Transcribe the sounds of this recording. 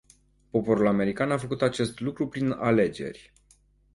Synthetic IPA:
po̞po̞ɾulame̞ɾikanafəkut̪at͡ʃe̞st̪lukɾupɾina̰le̞d͡ʒe̞̰rʲ

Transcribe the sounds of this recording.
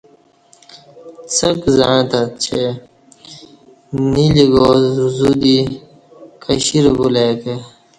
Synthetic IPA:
t͡sʰɐkzãt̪at͡ɕʰe | niliɡozuzud̪i | kʰəɕiɾbulat̪e

